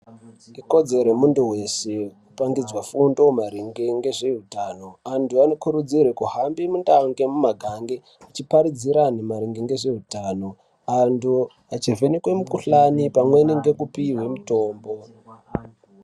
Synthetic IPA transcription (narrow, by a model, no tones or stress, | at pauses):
iko̞d͡ze̞ɾemunduwe̞se̞kupaŋɡid͡zwafundo̞maɾiŋɡeŋɡe̞ʐeɦutano̞antʰuanokuɾud͡zirwekuɦambimundaŋɡe̞mumaɡʱaŋɡe | at͡ʃipaɾid͡ziɾanemaɾiŋɡiŋɡe̞ʐeɦutaːno̞ | antu | at͡ʃivenekwe̞mukuɬanipamwe̞niŋɡe̞kupiwe̞muto̞ːmbo̞